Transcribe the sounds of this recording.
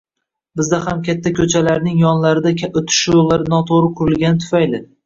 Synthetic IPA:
bɪzd̪ahamkʲʰat̪ʰːakʲʰɵt͡ʃʰalaɾnɪŋjɒnlaɾɪd̪akʲʰaot̪ʰɪ̥ʃolːaɾɪnɒt̪ʰoɾɪqʰʊɾɪlˠɡʲanɪt̪ʰʊ̥fajlɪ

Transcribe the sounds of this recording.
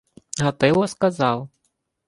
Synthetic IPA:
ɣat̪ɛwɔskazaw

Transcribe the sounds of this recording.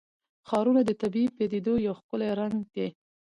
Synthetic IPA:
xɑɾunad̪ət̪abiiped̪ed̪ojawxkəleɾaŋɡd̪e

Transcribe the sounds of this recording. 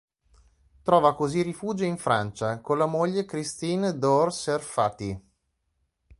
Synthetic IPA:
t̪ɾɔːvakozirifuːd͡ʒoiɱfɾant͡ʃakonlamoʎːekɾist̪iːnd̪orserfat̪i

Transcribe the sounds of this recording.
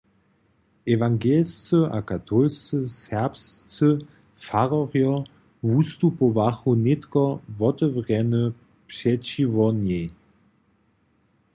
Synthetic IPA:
ɛvaŋɡɛlst͡səʔa̰kat̪ʰɔlst͡səsɛʁpst͡sə | faʁɔʁjɔ | vust̪upɔvaxunet̪kɔvɔt̪əvʁɛnə | pʂɛt͡ɕivɔnjɛj

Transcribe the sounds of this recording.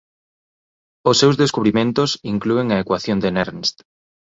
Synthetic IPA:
ʊsːewzðeskuβɾimẽnt̪ʊsiŋklueŋɐekwaθjond̪eneɾnst̪

